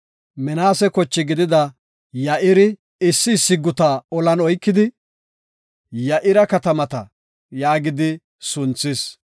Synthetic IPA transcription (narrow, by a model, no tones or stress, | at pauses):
mɛnaːsɛkɔt͡ʃːɪɡɪd̪ɪd̪ɐ | jɐʔɪɾɪ | ɪsːɪːsːɪɡʊt̪aɔlɐnɔjkːɪd̪ɪ | jɐʔɪɾɐkɐt̪ɐmɐt̪ɐ̰ | jaːɡɪd̪ɪ | sʊnt͡sːɪs